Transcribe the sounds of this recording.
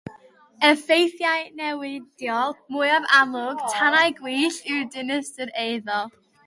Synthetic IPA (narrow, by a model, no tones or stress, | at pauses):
əfejθjajnɛwɪd̥jɔlˠmʊjavalˠʊɡ̥tʰanajɡwiːɬɪdɪnəsdəɾejðɔlˠ